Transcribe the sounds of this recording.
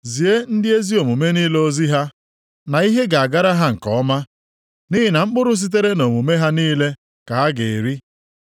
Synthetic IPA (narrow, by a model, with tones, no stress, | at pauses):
zi˨e˦n̩˦dɪ˦e˦zi˦o˨mu˨me˦niː˦le˦o˦zi˦ɦa˦ | na˨i˦ɦe˦ɡa˨a˨ɡa˦ɾa˦ɦa˦ŋ̩˨kɔ˨ɔ˦ma˦ | ni˦ɦɪ˨na˨ŋ͡m̩˦k͡pʊ˦ɾʊ˦s̬i˦t̬e˦ɾe˦no˨mu˨me˦ɦa˦niː˦le˦ | ka˨ɦa˦ɡe˨e˨ɾi˦